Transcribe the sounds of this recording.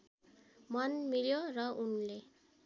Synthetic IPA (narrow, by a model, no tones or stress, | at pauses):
mʌnmiljorʌʔunle